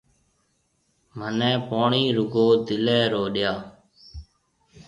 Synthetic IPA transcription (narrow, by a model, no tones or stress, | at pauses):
mənɛ̃ːpoːɳiːɾʊɡoːd̪ɪlɛːɾoːɗɪjaː